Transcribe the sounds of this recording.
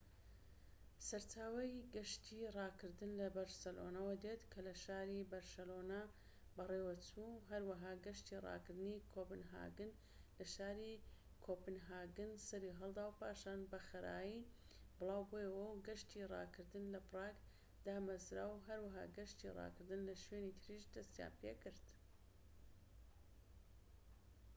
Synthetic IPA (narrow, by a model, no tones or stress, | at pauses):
sɐɾt͡ʃaːwɐjɡɐʃt̪ʰirɑːkɨɾd̪ɨnlɐbɐɾsɐlo̰nɐwɐd̪et̪kʰɐlɐʃaːɾibɐɾʃɐloːna | bɐrewɐt͡sʰuɦɐɾwɐɦaːɡɐʃt̪irɑ̰ːkɨɾd̪ɨnikʰopɨnɦa̰ːɡɨn | lɐʃaːɾi | kʰopɨnɦaːɡɨnsɐɾiɦɐlˠd̪aːwpʰaːʃaːnbɐxɐɾʔa̰ːji | bɨlˠaːwbojɐwɐwɡɐʃt̪irˤɑ̰ːkʰɨɾd̪ɨnlɐfrɑːk | d̪aːmɐzɾa̰ːwɦɐɾwɐɦa̰ːɡɐʃt̪irˤɑ̰kɨɾd̪ɨnlɐʃweːnit̪ʰɾiʃd̪ɐst̪ja̰ːpʰḛkɨɾd̪̥